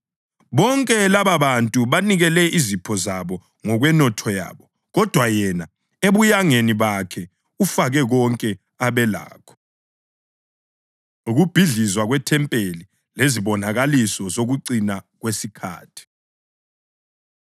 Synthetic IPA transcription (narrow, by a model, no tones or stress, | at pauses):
βɔŋkʼɛlaβaβantʼuβaniɣɛlɛʔizipʰɔzaβɔ | ŋɔɣwɛnɔtʰɔja̰ːβɔ | ɣɔd̥ʱwajɛna | eβujaŋeniβakʰɛ | ufaɣɛɣɔŋkʼɛ | aβɛla̰ːkʰɔ̥ | uɣub̥ʱiɮizwaɣwɛtʰɛmpʼeli | leziβɔnaɣalisɔzoɣuǀinaɣwesikʰa̰ːtʰi̥